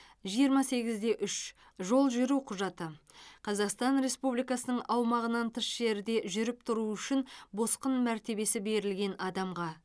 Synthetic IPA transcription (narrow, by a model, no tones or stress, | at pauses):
ʒijəɾmɑse̞ɡʲɪzd̪e̞ʔʏʃ | ʒo̞lˠʒʏɾuqʰʊʒɑt̪ə | qʰɑzɑqst̪ɑnɾe̞spublijkɑsənəɴɑwmɑʁənɑnt̪ʰəsʒ̥e̞ɾd̪e̞ʒʏɾɪp̚t̪ʰʊɾuʏʃɪnbo̞sqənmæɾt̪e̞be̞sɪbe̞ɾɪlɡʲe̞nɑd̪ɑmʁɑ